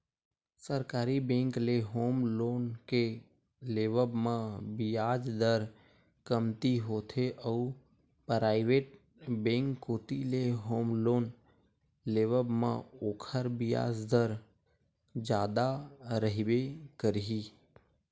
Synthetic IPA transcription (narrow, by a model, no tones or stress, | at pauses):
səɾkaːɾibẽːŋkleɦoːmloːnke | leːʋəbmãbɪjaːd͡ʒd̪əɾ | kəmt̪iɦoːt̪ʰeʔəu | pɾaːɪʋeːʈ̚ | bẽːŋkːoːt̪ileɦoːmloːn | leʋəbmã̰oːkʰəɾbɪja̰ːd͡ʒd̪əɾ | d͡ʒaːd̪aɾəɦibekəɾɦiː